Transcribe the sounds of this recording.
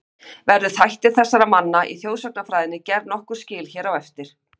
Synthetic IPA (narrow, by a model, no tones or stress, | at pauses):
vɛɾðʏθajht̪ɪ̥θɛsːaɾamanːaʔḭθjoːwsœk̚nafɾaːjðɪnɪcɛɾðnɔhkʏɾ̥scɪːlçɛːɾawɛft̪ɪɾ̥